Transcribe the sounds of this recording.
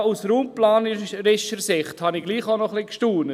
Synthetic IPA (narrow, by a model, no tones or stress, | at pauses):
usɾuːmplaːnɾɪʃəsɪχthɑniɡ̥liːχaʊnɔχlikʃtuːnə